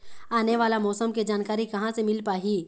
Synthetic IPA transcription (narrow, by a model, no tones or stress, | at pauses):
aːneʋaːlamɔːsəmkid͡ʒaːnkaːɾikɐɦãsemɪlpaːɦiː